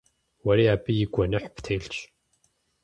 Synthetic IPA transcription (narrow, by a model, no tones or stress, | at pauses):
wɐɾiːaːbijɪɡʷɔnɨħptʰeːɬt͡ʃʰ